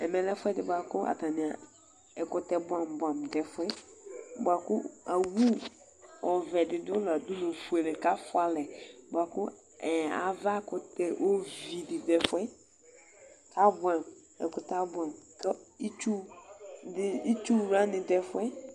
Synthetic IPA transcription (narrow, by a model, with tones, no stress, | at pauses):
ɛ˨mɛ˨lɛ˦fʊ˦ɛ˦dɪ˦ba˨kʊ˦ʔa̰˨ta˨nɪ̃˨a˨ | ɛ˨kʊ˦tɛ˦bʊ˦a˨m˨ba˨m˨dɛ˨fʊ˦ɛ˦bʊ˨a˨kʊ˦a˨wu˦ | ɔ˨vɛ˨dɪ˨dʊ˦la˨dʊ˦no˨fu˨e˨lɛ˨ka˦fʊ˦a˦lɛ˨bʊ˨a˨kʊ˦ | ɛ˨a̰˨va˦kʊ˦tɛ˦ʔo˦vi˨dɪ˨dɛ˨fʊ˦ɛ˦ | ka˦bʊ˨˦a˨m | ɛ̰˨kʊ˨ta˦bʊ˦a˨mkɛ˦i˦t͡ʃu˦ | dɪ˦i˦t͡ʃu˦ɾa˦nɪ̃˨dɛ˨fʊ˦ɛ˦